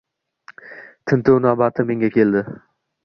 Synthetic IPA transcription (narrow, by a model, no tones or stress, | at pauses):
t̪ʰɪnt̪ʰownabat̪ʰɪme̞ŋɡʲakʲʰe̞ld̪ɪ